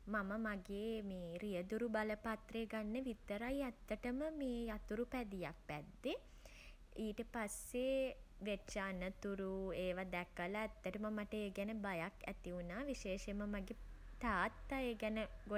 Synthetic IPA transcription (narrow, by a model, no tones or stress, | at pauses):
maməmaɡeːmeːɾijəd̪uɾubaləpat̪reːɡanːəʋit̪ːəɾajæt̪ːəʈəməmeːjat̪uɾupæd̪ijak̚bæd̪ːe | iːʈəpasːeʋet͡ʃaːnət̪uɾueːʋad̪ɛkːəlaːt̪ːəʈəməmaʈəeɡɛnəbajakæ̰t̪iunaːʋiʃeːʃeməmaɡe | t̪aːt̪ːaeːɡɛnəɡo